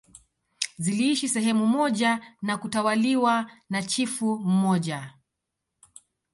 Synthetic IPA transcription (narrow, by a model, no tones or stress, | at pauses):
ziliiʃisɛɦɛmumɔʄanakutawaliwanat͡ʃifum̩mɔʄa